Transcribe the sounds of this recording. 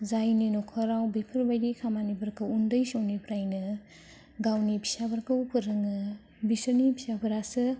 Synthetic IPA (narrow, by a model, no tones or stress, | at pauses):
zajninɔkʰɔɾawbipʰɯɾbajdikʰamanibɐɾkʰɯundɯjsownipʰɾajnɯ | ɡawnipʰi̥sabɐɾkɯwkʰɯɾɯŋɯ | bisonipʰisabɯɾasɯ